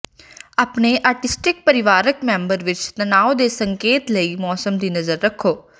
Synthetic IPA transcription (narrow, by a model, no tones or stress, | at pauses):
aːpneːʔaːɾʈɪsʈɪk̚pəɾɪʋaːɾəkmɛ̃ːmbəɾʋɪt͡ʃt̪ənaːod̪eːsəŋkeːt̪ləiːmɔːsəmd̪iːnəzəɾːəkʰːoː